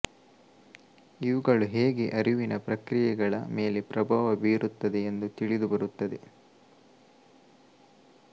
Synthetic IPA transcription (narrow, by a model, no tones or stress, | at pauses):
iʋuɡɐɭuɦe̞ːɡeʔɐɾiʋinɐpɾɐkɾijɛɡɐɭɐ̰me̞ːlepɾɐbʱaːʋɐbiːɾut̪ːɐd̪e̞ːnd̪ut̪iɭid̪ubɐɾut̪ːɐd̪e̞